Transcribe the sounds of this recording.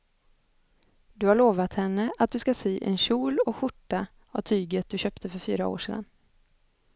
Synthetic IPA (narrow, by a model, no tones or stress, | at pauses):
d̪ɵhaɭoːvat̪hɛnːəʔat̪̚d̪ɵskasyːʔɛ̰nɕuːlɔɧʊʈːa | avt̪ʰyːɡət̪̚d̪ɵɕœːpt̪ʰəfœɾfyːɾao̰ːʂḛːd̪a̰n